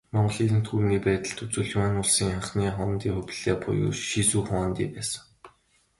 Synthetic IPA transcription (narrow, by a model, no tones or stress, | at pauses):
mɔɴɢɞ̆ɮiːtɘ̆n̥t̪χuːniːpæːt̪ə̆ɮt̪ut͡suːɮ̆manʊɮsiːŋχaχniːχɔnt̪iːχɵpʲɮ̥eːpʊ̰jʊ̰ːʃisuːχaːnt̪ḭːpæːsə̆